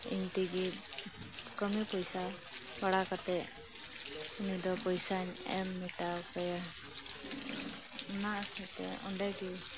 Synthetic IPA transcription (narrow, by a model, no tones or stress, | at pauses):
ḭɲt̪iɡi | kəmipɔjsa | baɽakat̪ɛʔ | unid̪ɔpɔjsaɲɛ̰mːiʈakɛja | naʔɛt̪ɛ̰ɔ̰ɳɖɛɡi